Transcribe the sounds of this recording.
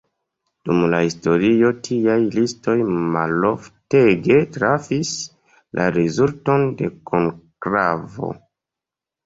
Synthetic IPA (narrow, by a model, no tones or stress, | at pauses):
d̥umlahisto̞ɾio̞tʰiajlisto̞jmalo̞fte̞ɡe̞tɾafis | lʔa̰ɾezulto̞nde̞kʰoŋkɾavo̞̰